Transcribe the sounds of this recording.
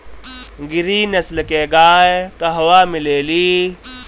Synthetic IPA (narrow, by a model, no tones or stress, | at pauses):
ɡɪɾiːnɐslkeːɡaːekɐɦɐwaːmɪleːliː